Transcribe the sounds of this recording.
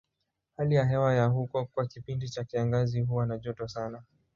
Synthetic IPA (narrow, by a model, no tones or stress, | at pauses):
halijaɦɛwajahukɔkwakipindit͡ʃakiaŋɡaziɦuwanaʄɔtɔsana